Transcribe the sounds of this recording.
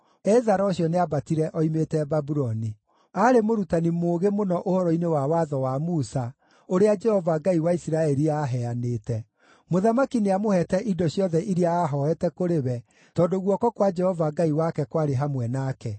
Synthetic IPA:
ɛzaɾɔɕjɔneabatiɾɛʔɔimetɛbabuɾɔni | aɾemoɾutanimoːɣemonɔʔohɔɾɔinewawaðɔwamusa | oɾead͡ʒɛhɔvaɡaiwaisiɾaɛɾiaːɦɛanetɛ | moðamakineamohɛtɛʔidɔɕjɔðɛʔiɾiaːɦɔɛtɛkoɾeβɛ | tɔdoɣwɔkɔkwad͡ʒɛhɔvaɡaiwakɛkwaɾeɦamwɛnakɛ

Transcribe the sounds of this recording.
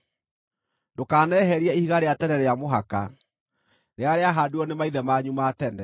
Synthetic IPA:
ndokaːnɛɦɛɾiɛihiɣaɾeatɛnɛɾeamoɦaka̰ | neaɾeaɦaːduɔnemaiðɛmaɲumatɛnɛ

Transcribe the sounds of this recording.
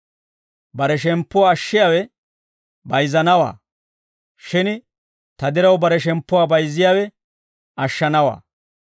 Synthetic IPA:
bɐɾɛʃ̬ɛmpːɔwaːʃːɪjaːwɛ | bɐjzɐnɐwa̰ː | ʃɪn | t̪ɐd̪ɪɾɐwbɐɾɛʃɛmpːʊwaːbɐjzːɪjaːwɛ | ɐʃːɐnɐwa̰ː

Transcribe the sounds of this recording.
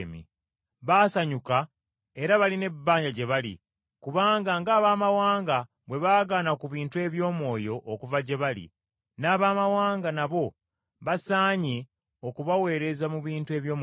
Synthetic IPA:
mḭ | βaːsaɲuka | e̞ɾaβaline̞bːaːɲɟaɟe̞βalḭ | kuβaːŋɡaŋɡaːβaːmawaːŋɡa | βwe̞βaːɡaːnakuβiːntue̞βjo̞ːmwo̞ːjo̞ʔːkuvaɟe̞βalḭ | naːβaːmawaːŋɡanaβo̞ | βasaːɲe̞ | okuβawe̞ːɾe̞zamuβiːntue̞ːβjo̞ːm

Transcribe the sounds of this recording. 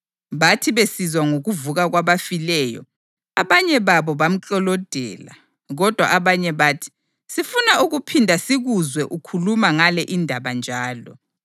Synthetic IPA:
βatʰiβesizwaŋoɣuvuɣaɣwaβafilɛjɔ̰ | aβaɲɛβaβɔβam̩t͡ɬʼɔlɔd̥ʱɛ̰ːla̰ | ɣɔd̥ʱwa̰ʔaβaɲɛβaːtʰi̥ | sifunauɣupʰindʱasiɣuzwɛʔukʰulumaŋalɛʔindʱaβand͡ʒʱaːlɔ̰

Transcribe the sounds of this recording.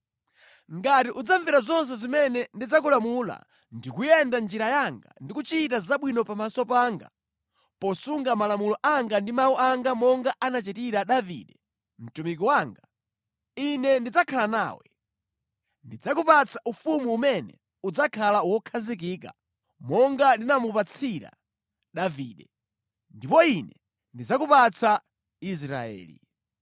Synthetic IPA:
ŋɡatiʔud͡zaɱviɾazɔns̬ɛzimɛnɛndid͡zakulamula̰ | ndikujɛndand͡ʒiɾajaŋɡa̰ndikut͡ʃit̬azaɓwinɔpamasɔpaːŋɡa̰ | pɔsuŋɡamalamulɔʔaŋɡandimauʔaŋɡamɔŋɡaʔanat͡ʃitiɾaɗavḭɗɛ | m̩tumik̬iwaːŋɡa | inɛndid͡zakʰalana̰ːwɛ̰ | ndid͡zakupat͡sʰaʔufumuːmɛnɛ̰ | ud͡zakʰalawɔkʰazik̬iːka̰ | mɔŋɡandinamupat͡sʰiɾa̰ | ɗaviːɗɛ | ndipɔinɛ | ndid͡zakupat͡sa | is̬ɾa̰ɛ̰ːlḭ

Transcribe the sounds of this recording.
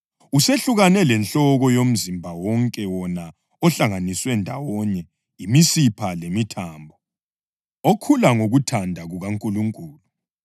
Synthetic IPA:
useɬuɣanɛlɛnɬɔɣɔjom̩zimbʱawɔŋkʼɛwɔna | ɔɬaŋaniswɛndʱa̰wɔɲɛ | imisipʰalemitʰaːmbʱɔ | okʰulaŋoɣutʰandʱaɣuɣaŋkʼuluŋkʼuːlu

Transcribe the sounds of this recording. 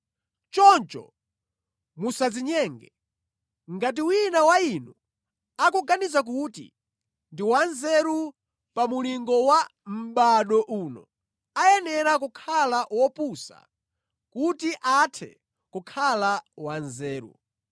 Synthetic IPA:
t͡ʃɔnt͡ʃɔ̰ | musad͡ziɲɛŋɡɛ | ŋɡat̬iwinawainu | akuɡanizak̬utḭ | ndiwanzɛɾu | pamuliŋɡɔwam̩ɓaɗɔʔuːnɔ̰ | ajɛnɛɾakukʰalawɔpusa̰ | kutiʔatʰɛ̰ | kukʰalawanzɛːɾṵ

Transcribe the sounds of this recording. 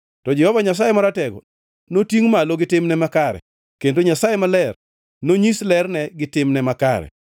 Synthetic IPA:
tɔd͡ʒɛhɔvaɲas̬ajɛmaɾatɛɡɔ̰ | notiŋmaloɡɪtɪmnɛmakaɾɛ̰ | kendoɲasajemalɛr | noɲislɛrnɛɡɪtɪmnɛmaka̰ɾɛ̰

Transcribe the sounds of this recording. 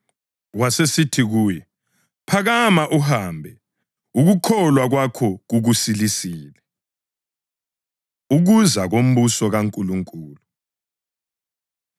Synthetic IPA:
wasesitʰiɣuːjɛ | pʰaɣamaʔuɦaːmbʱɛ | uɣukʰɔlwaɣwakʰɔɣuɣusilisiːlɛ | uɣuzaɣom̩βusɔɣaŋkʼuluŋkʼuːlu

